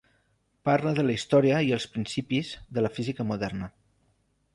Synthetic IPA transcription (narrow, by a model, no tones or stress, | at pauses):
paɾləðələist̪ɔɾiəiəlˠspɾinsipizðələfizikəmuðɛrnə